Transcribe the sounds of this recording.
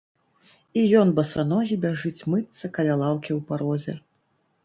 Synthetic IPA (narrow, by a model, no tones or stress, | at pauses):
ijɔnbɐsanɔɣʲibʲaʐɨt͡sʲmɨt̪sɐkɐlʲalˠawkʲiwpaɾɔzʲɛ̰